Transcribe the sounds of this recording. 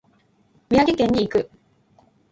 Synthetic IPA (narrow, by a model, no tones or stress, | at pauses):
mʲjaɡekẽɲːiːkɯ